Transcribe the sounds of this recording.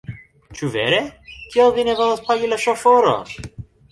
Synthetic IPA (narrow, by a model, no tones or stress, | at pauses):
t͡ʃuveɾekʰialvinevolaspʰaɡilaʃofoɾo̰n